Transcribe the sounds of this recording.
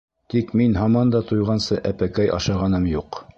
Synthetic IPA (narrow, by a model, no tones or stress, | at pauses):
t̪ikminɦɑmɑnd̪ɑt̪ujʁɑnsɤʔæpækæjʔɑ̰ʃɑʁɑnɤmjuq